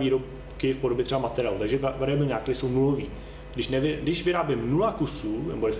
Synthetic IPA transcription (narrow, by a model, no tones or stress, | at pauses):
viːɾop | kɪfpodobjɛt̪rɛbamat̪ɛɾɪaːlut̪aɡʒɛavaɾɛbɪlɲaːkt̪ɾɪsownuloviː | ɡdɪʃnɛvɪdɪʃvɪɾaːbɪmnulakusuːnɛ̰bodɛs